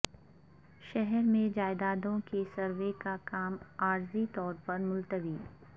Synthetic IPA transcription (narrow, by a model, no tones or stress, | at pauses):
ʃɛɦɛɾmẽd͡ʒaːɪd̪aːd̪õkesɐɾʋekakaːmaːɾzit̪ɔːɾpɐɾmʊlt̪əʋiː